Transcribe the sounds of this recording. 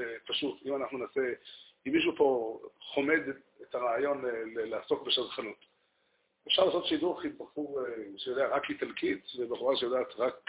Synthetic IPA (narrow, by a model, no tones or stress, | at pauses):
paʃutimanaχnunase | imiʃ̬upo̞χomed̪ | etaʁaajo̞nlelehaso̞kbeʃadχanut | efʃaʁlaːsotʃiduʁχit̪̚baχuʃejod̪eaʁaklit̪alkʰit͡svebeχuʁaʃejodaːat̪ʁak